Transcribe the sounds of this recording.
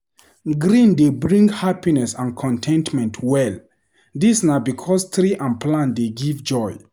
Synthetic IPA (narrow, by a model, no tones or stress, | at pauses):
ɡɾĩndebɹĩŋhapinɛsãnkʰɔ̃ntʰɛ̃ntmɛ̃ntʰwɛl | d̪isnabikʰɔst̪ɹiʔãnpʰlãnd̪eɡivd͡ʒɔj